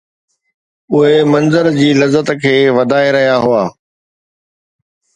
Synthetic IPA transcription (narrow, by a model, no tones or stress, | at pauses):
ʊɦemɐ̃nzəɾd͡ʑiːlɐzət̪kʰeːʋɐd̪ʱaːeɾɐɦijaɦʊaː